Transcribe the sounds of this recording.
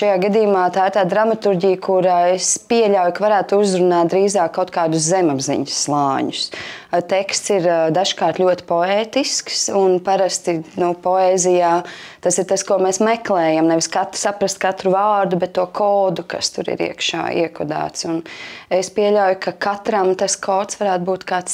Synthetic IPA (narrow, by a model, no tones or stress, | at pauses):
ʃajaːɡad̪iːjumaːt̪aːɪɾt̪aːd̪ɾamat̪uɾɟijkʰuɾaːespiɛʎʲawjukavaɾæːt̪uzɾunaːt̪̚d̪ɾiːzaːkːawt̪̚kaːd̪ʊszɛmabzḭɲsːlˠɑːɲʊst̪ɛkst̪siɾd̪aʒkaːɾt̪lʲuɔt̪i̥pɔɛːt̪isksunpaɾast̪inupɔeːzijaː | t̪asiɾt̪askuɔmɛːsmɛklˠɛːjamnɛʋɪskat̪ɾ̥sapɾast̪̚kat̪ɾuvaːɾd̪ubɛt̪ːuɔkʰoːd̪uka̰st̪uɾḭɾḭɛkʃa̰ːḭɛkɔd̪a̰ːt̪sunɛspiɛʎʲawjʊkakʰat̪ɾamt̪askʰɔːt̪sʋaɾæːt̪buːt̪kaːt̪s